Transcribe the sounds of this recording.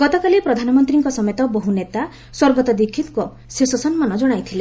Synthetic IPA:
ɡ̥ɔt̪ɔkalipɾɔd̪ʱanɔmɔnt̪ɾiŋkɔsɔmet̪ɔboɦunet̪a | swɔɾbɔt̪ɔd̪ikʰːit̪kɔ | sesɔsɔnmɔnɔd͡ʒɔɽ̃ajt̪ʰile

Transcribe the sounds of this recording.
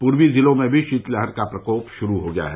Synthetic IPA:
puːɾwizɪlõmẽbʱiʃiːt̪ləɦəɾkapɾɐkoːpʃʊɾuɦoɡɐja̰ɦɛ

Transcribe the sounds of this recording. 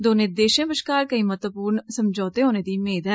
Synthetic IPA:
d̪oːned̪eːʃẽːbəʃkaːɾkəiːmət̪əpuːɾnsəmd͡ʒɔːt̪eɦoːneːd̪iːmeːd̪ɛ

